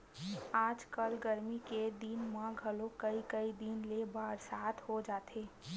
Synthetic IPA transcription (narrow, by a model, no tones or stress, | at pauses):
aːd͡ʒkəlɡəɾmiked̪inmãɡʱəlokəikəid̪inlebaːɾsaːt̪ʰɦod͡ʒaːt̪ʰeː